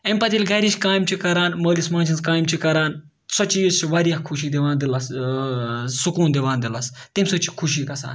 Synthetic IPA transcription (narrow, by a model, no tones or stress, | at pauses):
emʲpɐt̪ilʲɡɐɾiʃʲkaːjimt͡ʃʰikɐɾaːnməːlismãːnt͡ʃʰinzkaːjmt͡ʃʰikɐɾaːn | sot͡ʃijist͡ʃʰiʋaɾijɐkʰuʃiːd̪iʋaːnd̪ilɐs | sukuːnd̪iʋaːnd̪ilɐst̪imʲsot͡ʃʰi̥kʰuʃiːkɐsa̰ːn